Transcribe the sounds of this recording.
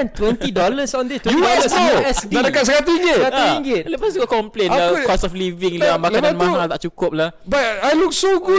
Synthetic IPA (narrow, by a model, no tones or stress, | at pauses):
nt̪wɛnt̪idɔləsɔ̃ndiuɛɛsaɾəkat̪̚səkat̪uɲəat̪uiŋɡɪt̪̚ləpasd͡ʒuɡakɔmplenakɔsɔfliviŋlamakananmãŋalt̪a̰ʔt͡ʃukʊp̚lahbat̚ajluk̚soɡu